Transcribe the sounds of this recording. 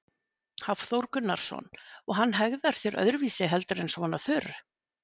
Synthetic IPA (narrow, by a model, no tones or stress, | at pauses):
hav̥θowɾkʏnːaɾ̥sɔ̰nɔɣɦanːɦɛɣðaɾ̥sjɛɾʔœ̰ðɾʏviːsɪɦɛlt̪ʏɾɛnsɔvanːaθʏːrʏ